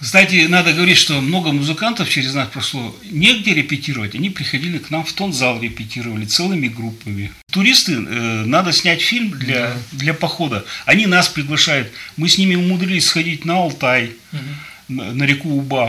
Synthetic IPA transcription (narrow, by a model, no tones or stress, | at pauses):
kst̪atʲɪnad̪əɡəvɐɾʲitʲʂt̪o̞mno̞ɡəmʊzɨkant̪əft͡ɕɪɾʲɪznaspɾɐʂlˠo̞ | nʲeɡdʲeɾʲɪpʲɪtʲiɾəvətʲɐnʲipɾʲɪxɐdʲilʲɪknamft̪o̞nzalˠɾʲɪpʲɪtʲiɾəvəlʲɪt̪sɛlˠɨmʲɪɡɾupːəmʲɪ | t̪ʊɾʲist̪ɨnad̪əsʲnʲætʲfʲilʲmd̪lʲad̪lʲɐpɐxo̞d̪əɐnʲinaspɾʲɪɡlˠɐʂajʊt̪mɨsʲnʲimʲɪʊmʊd̪ɾʲilʲɪsʲsxɐdʲit̚ʲnəɐlˠt̪aj | nəɾʲɪkuːba